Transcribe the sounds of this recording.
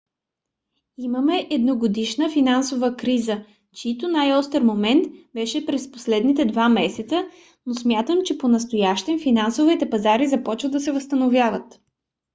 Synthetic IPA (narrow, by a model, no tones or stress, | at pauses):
iməmɛʔɛd̪noɡod̪iʃnəfinansovəkɾizə | t͡ʃit̪onajɔst̪əɾmomɛnt̪bɛʃɛpɾɛspo̥slɛd̪nit̪ɛd̪vamɛsɛt̪sə | nosmʲjat̪əmt͡ʃɛponɐst̪ojaʃt̪ɛmfinansovit̪ɛpɐzaɾizɐpɔt͡ʃvəd̪ɐsɛvəst̪ənovjavət̪